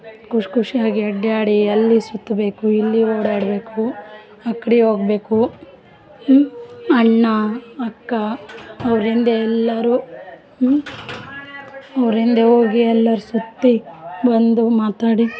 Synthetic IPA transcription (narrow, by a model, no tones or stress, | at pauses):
kʰuʂkuʂijaːɡiɐɖːaːɽiɐlːisut̪ːɐbe̞ːkuilːioːɽaːɽbe̞ːku | ɐkːɐɽio̞ːɡbe̞ːku | ɐɳːɐɐkːɐɐʋɾind̪eɛlːɐɾu | ɐʋɾind̪eɦoːɡiɛlːɐɾusut̪ːibɐnd̪umaːt̪aːɽi